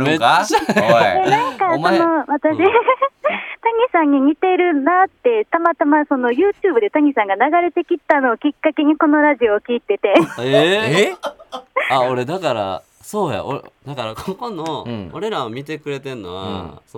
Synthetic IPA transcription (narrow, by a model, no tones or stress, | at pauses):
e | enãŋkkaonomat̪ade | t̪aɲ̟isãɲ̟ːiɲ̟it̪e̞ɾɯ̟nat̪ːe̞t̪amat̪amaso̞no̞jɯ̟ːt͡ɕɨːbɯ̟d̪e̞t̪aɲ̟isãŋɡanaɡaɾe̞t̪e̞kʲit̪ːano̞ːkʲikːake̞ɲ̟iko̞no̞ɾaʑio̞ːkʲiːt̪e̞t̪e̞e | aoɾe̞d̪akaɾa̰ | so̞ːja̰ʔo̰ɾd̪̥akaɾakokonooɾe̞ɾaomʲit̪e̞kɯ̟ɾe̞t̪e̞nːo̞̰βa̰so